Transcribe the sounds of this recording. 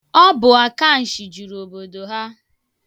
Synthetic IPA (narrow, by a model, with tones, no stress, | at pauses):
ɔ˦bʊ˨a˨ka˦˨n̩˨ʃi˨d͡ʒu˨ɾo˨bo˨do˨ɦa˦